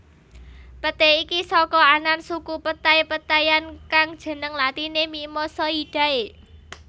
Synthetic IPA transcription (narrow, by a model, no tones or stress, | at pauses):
pət̪eikisɔkɔanansukupət̪ajpət̪ajankaŋd̥ʒ̥ə̤nəŋlat̪inemimɔsɔiɖ̥a̤e